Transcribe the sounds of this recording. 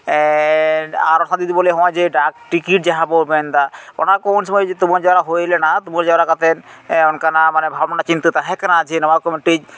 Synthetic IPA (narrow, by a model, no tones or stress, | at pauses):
aɾɔnsʰad̪id̪iboleɦɔ̃ed͡ʑeɖak̚ʈikiʈ̚d͡ʑaɦãbolbend̪ao̰nakɔwnʃɔmɔjd͡ʑet̪umaɾd͡ʑaɾaɦojlenat̪umaɾd͡ʒaɾakat̪enɔnkanamanebʱabnat͡ɕint̪ut̪aɦɛkanaat͡ʃʰenɔbaɾkɔmiʈid͡ʑ